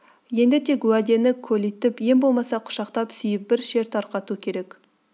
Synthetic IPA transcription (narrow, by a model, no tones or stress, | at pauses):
je̞nd̪ɪt̪ʰe̞kwæd̪e̞nɪkʲʰɵlijt̪ɪpje̞mbo̞lˠmɑsɑqʰʊ̥ʃɑqt̪ɑpsʏjɪp̚bɪɾʃe̞ɾt̪ʰɑɾqɑt̪ukʲʰe̞ɾe̞k